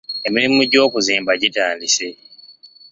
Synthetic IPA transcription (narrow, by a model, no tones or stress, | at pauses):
e̞miɾimuɟo̞ːkuziːmbaɟitaːndise